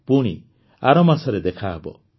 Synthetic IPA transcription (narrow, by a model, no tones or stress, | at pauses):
puɽ̃ḭ | aɾɔmasɔɾed̪ekʰaebɔ̰